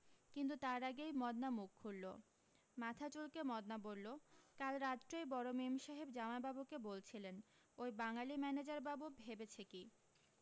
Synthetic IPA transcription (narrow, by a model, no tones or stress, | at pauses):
kint̪ut̪aɾaɡejmɔd̪namuk̚ʰːuɾlo̰ | mat̪ʰat͡ɕolkemɔd̪nabolːokalɾad͡ʑɾojbɔɾomemʃaɦibd͡ʑamababukebolt͡ɕʰilen | ojbaŋalimɛned͡ʑaɾbabubʱebet͡ɕʰeki